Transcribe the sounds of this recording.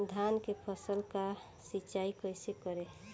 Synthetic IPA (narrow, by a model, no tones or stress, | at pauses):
d̪ʱankepʰəsəlka | sit͡ʃaikəsekɔɾe